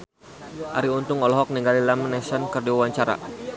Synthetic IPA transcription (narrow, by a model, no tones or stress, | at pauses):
ʔa̰ɾiunt̪ʊŋɔlɔɦɔk̚niŋɡalilamanɛsankərdiwawaɲt͡ʃaɾa̰